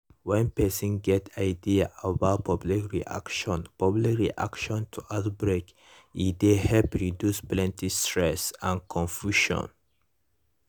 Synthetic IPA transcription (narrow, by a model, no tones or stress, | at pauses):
wɛ̃npɛsĩnɡɛtʰaɪdiaabaʊt̚pʰʌblikɹiʔa̰kʃɔ̃npʌblikɹiʔa̰kʃɔ̃ntʰuʔaʊtbɹek | id̪ehɛlpɹidjusplɛ̃ntistɹɛsãnkʰɔ̃nfjuʃɔ̰̃n